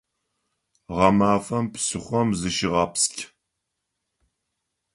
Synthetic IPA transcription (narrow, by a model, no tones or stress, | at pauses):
ʁɐmaːfɐmpsɨχʷɔmzɨʃɪʁɐpskʲʰ